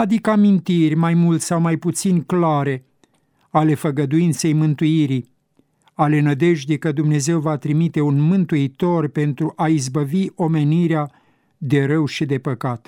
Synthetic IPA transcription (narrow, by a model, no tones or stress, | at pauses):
ad̪ikəamint̪irʲmajmult̪sawmajput̪sinʲklaɾe̞ | ale̞fəɡəd̪uint̪se̞jmɨnt̪uiɾi | ale̞nəd̪e̞ʒd̪ekəd̪umne̞ze̞wvat̪ɾimit̪e̞unmɨnt̪uit̪o̞rpe̞nt̪ɾuʔaizbəviʔo̞me̞niɾea | d̪e̞ɾəwʃid̪e̞pəkat̪